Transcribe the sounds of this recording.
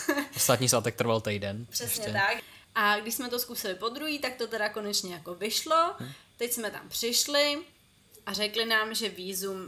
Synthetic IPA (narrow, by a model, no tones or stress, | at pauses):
ost̪at̪ɲiːslat̪ɛk̚t̪ɾ̩valt̪ɛjdɛnpr̥ɛsɲɛɛt̪ak | ʔaɡdɪʃsmɛt̪o̞skusɪlɪpo̞d̪ɾuɦiːt̪ak̚t̪ot̪ɛɾako̞nɛt͡ʃɲɛjako̞vɪʃlo̞t̪ɛcsmɛt̪a̰mpr̝̥ɪʃlɪ | ʔarɛklɪnaːmʒɛviːzum